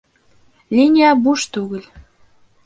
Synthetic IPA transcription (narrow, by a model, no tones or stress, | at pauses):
lʲinʲiɑbuʃt̪uɣə̆lʲ